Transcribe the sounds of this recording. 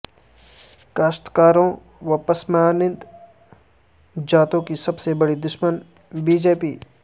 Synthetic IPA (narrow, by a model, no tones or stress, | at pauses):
kaːʃt̪kaːɾõ | ʋɐpɐsmaːnɪ̃nt̪ | d͡ʒaːt̪õkisɐbsebɐɽid̪ʊʃmən | biːd͡ʒeːpiː